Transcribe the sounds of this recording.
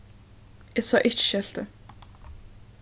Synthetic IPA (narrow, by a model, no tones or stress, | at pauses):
ɪsɑːʔɪt͡ʃʃɛl̥t̪ə